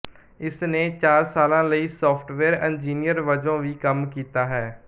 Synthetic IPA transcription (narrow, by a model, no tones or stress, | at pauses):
ɪsneːt͡ʃaːɾsaːlãːləiːsɔːpʰʈʋeːɾɪ̃nd͡ʒiːnɪjəɾʋəd͡ʒõːʋiːkəmkiːt̪aːɦɛː